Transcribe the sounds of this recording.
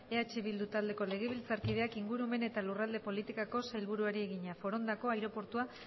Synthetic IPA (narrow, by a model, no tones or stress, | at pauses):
e̞at͡ʃiβild̪ut̪ald̪e̞ko̞le̞ɣ̞e̞β̞ilt͡saɾkiðe̞akiŋɡuɾume̞ne̞t̪alurald̪e̞po̞lit̪ikako̞sajlβuɾuaɾie̞ɣiɲafo̞ɾo̞nd̪ako̞ajɾo̞po̞ɾt̪ua